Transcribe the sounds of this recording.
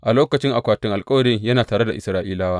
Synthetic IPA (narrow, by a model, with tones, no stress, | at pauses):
ʔa˨loː˦kɐ˨t͡ʃɪ˦ŋʔa˨kʷaː˨tɪ˦ŋʔa˨lkʼɐ˦wɐ˨ɽɪ˦ŋjɐ˦naː˨taː˨ɽe˦da˨ʔɪ˨sɾaː˦ʔiː˦laː˦waː˦ʔ